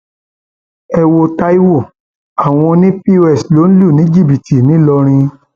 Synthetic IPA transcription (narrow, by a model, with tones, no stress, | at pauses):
ɛ˧wo˧ta˦i˦wo˦˨ | a˨w̃ɔ̃˧nĩ˦pi˦wɛ˦˨slo˨˦n̩˦lu˦˨nĩ˨˦d͡ʒi˦˨bi˨ti˨nĩ˨˦lɔ˧ɾ̃ĩ˧